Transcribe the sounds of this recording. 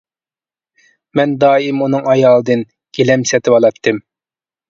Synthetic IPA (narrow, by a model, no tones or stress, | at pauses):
mɛnd̪ɑːimunɨŋɑjɑːlˠɨd̪ɨn | ɡ̥ʲelɛmsɛt̪ʰɪɑlˠɑt̪ʰːɨm